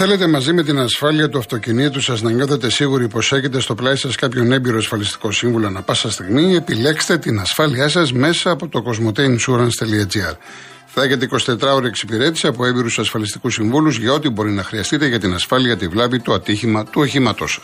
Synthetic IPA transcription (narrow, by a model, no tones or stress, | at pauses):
θe̞le̞t̪e̞mɐzime̞t̪inɐsfɐliɐt̪uɐft̪o̞cinit̪usɐznɐŋɡɐθet̪e̞siɣuɾipo̞se̞çe̞t̪̬e̞st̪o̞plɐisɐskɐpço̞ne̞biɾoɐsfɐlist̪i̥ko̞siɱvulo̞ɐnɐpɐsɐst̪iɣmie̞pile̞kse̥t̪e̞t̪inɐsfɐliɐsɐzme̞sɐːpo̞t̪o̞ko̞zmo̞t̪ejnsuɾɐnst̪eliɐd͡ziɐɾ | flɐçe̞t̪̬eiko̞si̥t̪e̞t̪ɾɐoɾieksipiɾe̞t̪isiɐpo̞e̞biɾusɐsfɐlist̪i̥kusiɱvuluzʝɐo̞t̪ibo̞ɾinɐxɾiɐst̪it̪e̞ʝɐt̪inɐsfɐliɐt̪ivlɐvit̪o̞ɐt̪içimɐt̪uoçimɐt̪o̞̰sɐ̥s